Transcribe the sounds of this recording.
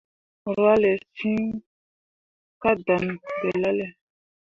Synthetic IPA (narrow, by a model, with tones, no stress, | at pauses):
ɾwa˦lɛ˨si˦ŋ | ka˦da˨n˨pɛ˨la˦lɛ˨